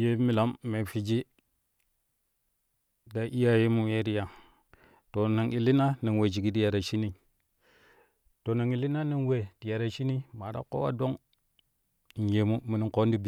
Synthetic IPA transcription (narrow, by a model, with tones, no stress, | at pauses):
je˦mi˨la˨˦mːe˨fi˨d͡ʒi˦ | da˨ʔi˦ja˦je˦mu˨we˦ɾi˦ja˨ | to˨na˨ŋi˨li˦na˦na˨nwe˨d͡ʒi˨ɡi˦di˦ja˨ɾa˨ʃi˦ni˨ | to˨na˨ŋi˨li˦na˦na˨nwe˨di˨ja˨ɾa˨ʃi˦ni˦ma˨da̰˦ko̰˦wa̰˦do˦ŋ˨ | n˨je˨mu˦mi˨ni˨ŋko˦n˦di˦bi˨